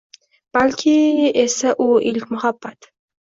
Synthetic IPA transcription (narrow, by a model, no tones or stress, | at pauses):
b̥alkʲʰiesaʔuʔɪlkʲmʊhabːat̪